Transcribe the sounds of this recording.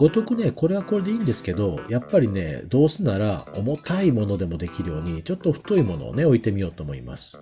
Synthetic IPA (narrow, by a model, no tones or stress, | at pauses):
ɡ̥o̞t̪o̞kɯ̟ne̞ko̞ɾe̞β̞ako̞ɾe̞d̪e̞iːnd̪e̞sɨ̥ke̞d̪o̞japːaɾʲine̞̰d̪o̞ːsɨnaɾao̞mo̞t̪ʰaimo̞no̞d̪e̞mo̞d̪e̞kʲiɾɯ̟jo̞ːɲ̟it͡ɕo̞t̪ːo̞ɸɯ̟̥t̪o̞imo̞no̞̰ːne̞o̞it̪e̞mʲio̞ːt̪oːmoḭma̰sɨ̥